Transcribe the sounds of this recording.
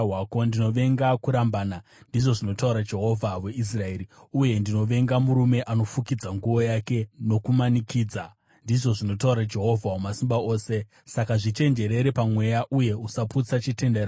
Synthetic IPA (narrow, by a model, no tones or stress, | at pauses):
wako̞ndino̞ʋe̞ŋɡakuɾambaːna | ndiʐo̞ʐino̞tauɾad͡ʒe̞ɦo̞vʱawe̞ʔis̬rae̞ːɾiuje̞ndino̞ʋe̞ŋɡamuɾume̞ʔano̞fukid͡zaŋɡuʋo̞jake̞no̞kumanikiːd͡za | ndiʐo̞ʐino̞tauɾad͡ʒe̞ɦo̞vʱawumasimbao̞ːse̞ | sakaʐit͡ʃe̞nd͡ʒe̞ɾe̞ɾe̞pamwe̞jaʔuje̞usaput͡sat͡ʃite̞ndeɾa